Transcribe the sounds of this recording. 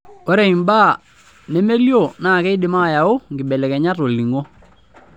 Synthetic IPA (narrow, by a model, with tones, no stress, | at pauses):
o˦ɾe˨i˨mba˦˨ | ne˦me˦ljo˦˨naː˦˨kɛ˦ɪ˦dɪ˨˦ma˦˨ja˨ʊ˦ŋɡɪ˨bɛ˨lɛ˨kɛ˨ɲa˦ro˨li˨ŋo˦